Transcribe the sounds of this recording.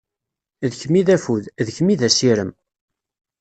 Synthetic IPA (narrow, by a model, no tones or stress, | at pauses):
ðəçmiðæfuððəçmiðæsiɾəm